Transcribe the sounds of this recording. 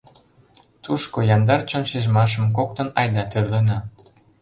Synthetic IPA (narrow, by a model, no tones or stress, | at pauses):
t̪uʃkojɑnd̪ɑrt͡ɕonʃeʒmɑʃ̬ə̆mk̬ok̚t̪ɤ̆nɑjd̪ɑt̪ørlənɑ